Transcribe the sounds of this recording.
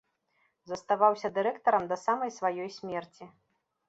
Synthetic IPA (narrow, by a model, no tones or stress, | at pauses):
zɐst̪avawsʲɐd̪ɨɾɛkt̪ɐɾɐmd̪ɐsamɐjsvajɔjsʲmʲɛrt͡sʲi